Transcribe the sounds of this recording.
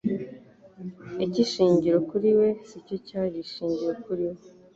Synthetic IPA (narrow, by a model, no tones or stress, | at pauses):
iciʃiːɲɟiɾo̞kuɾiwe̞sicocaːjiʃiːɲɟiɾokuɾiwe